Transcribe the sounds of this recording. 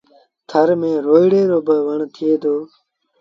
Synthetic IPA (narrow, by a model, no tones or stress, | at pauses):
t̪ʰəɾmẽːɾoːiɽeːɾoːbəʋəɳt̪ʰɪeːd̪oː